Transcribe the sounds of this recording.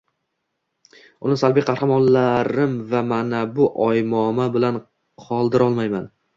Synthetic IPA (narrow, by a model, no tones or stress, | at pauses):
ʊnɪsalˠbijqʰɑhhamɒnlaɾɪmvamanabʊʔɒjmɒmabɪlan | qʰɒlˠd̪ɪɾɒlˠmajman